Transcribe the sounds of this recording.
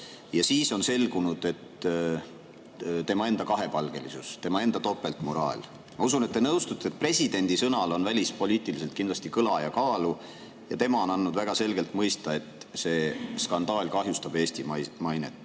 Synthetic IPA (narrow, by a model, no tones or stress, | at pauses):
jɑsiːso̞nse̞lɡunud̪̥e̞t̪ | t̪e̞mɑe̞nd̪̥ɑkɑɦe̞pɑlɡ̥e̞lisṵst̪e̞mɑe̞nd̪ɑt̪o̞pːˑe̞lt̪ˑmo̞ɾɑ̰ːlʲ | mɑusunet̪ːe̞nɤwst̪ut̪ːˑet̪̚pre̞sʲid̪̥e̞nʲd̪̥isɤnɑlo̞nvælʲispo̞lʲiːt̪ˑilise̞lt̪kind̪lɑst̪ikɤlɑjɑkɑːlu | jɑt̪e̞mɑo̞nɑnːud̪̥væɡ̥ɑse̞lɡe̞lt̪mɤjst̪ɑe̞t̪se̞ːskɑnd̪̥ɑːlʲkɑɦjust̪ɑb̥e̞ːst̪imɑjnḛt̪ːˑ